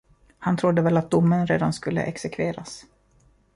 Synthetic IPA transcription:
hant̪ʰɾʊd̪ːəvɛlːat̪̚d̪ʊmːənɾeːd̪anskɵlːə̰ʔɛksɛkʰveːɾas

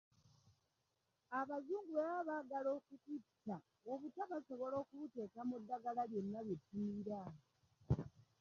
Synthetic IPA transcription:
aβazuːŋɡueβaβaɡalo̞ːkutitːa | oβutaβaso̞βo̞lo̞ːkuβute̞ːkamudːaɡalalje̞nːaβjetːumiɾa

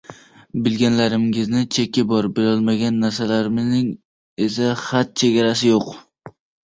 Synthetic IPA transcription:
bɪlɡʲanlaɾɪmɪznɪt͡ʃʰekʰʲːɪbɒɾbeɾɒlˠmaɡʲanːaɾsalaɾɪmɪznɪŋ | e̞s̬aχat̪̚t͡ʃʰeɡʲaɾasɪjoq

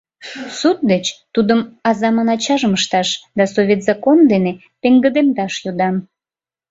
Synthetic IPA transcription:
sut̪̚d̪et͡ɕt̪ud̪əmɑzɑmɑnɑt͡ɕɑʒəməʃt̪ɑʃd̪ɑsoβʲet̪zɑkond̪ene | peŋɡəd̪emd̪ɑʃjod̪ɑm

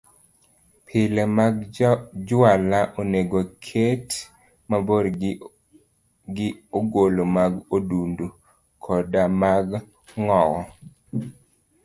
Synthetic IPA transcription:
pʰɪlɛmaɡd͡ʒʊalaʔoneɡokʰet | maboɾ | ɡɪoɡolomaɡodundu | kʰɔdamaɡ | ŋɔwɔ

